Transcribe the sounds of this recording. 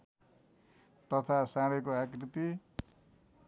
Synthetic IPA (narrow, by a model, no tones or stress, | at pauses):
t̪ʌt̪ʰasãɽekoakrit̪i